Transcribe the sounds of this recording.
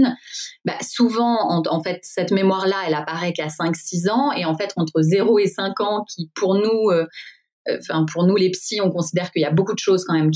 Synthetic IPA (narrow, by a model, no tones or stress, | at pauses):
nba̰suvɑ̃ɑ̃ɑ̃fɛt̪sɛt̪memwaʁlaɛlapaʁɛkasɛ̃ksizɑ̃eɑ̃fɛt̪ɑ̃t̪χəzeʁoesɛ̃kɑ̃kʲʰipʰuʁnuø | ø̰ɑ̃fɛ̃pʰuʁnulepsiɔ̃kɔ̃sid̪ɛʁkəiljabokud̪əʃozkɑ̃mɛmkʲ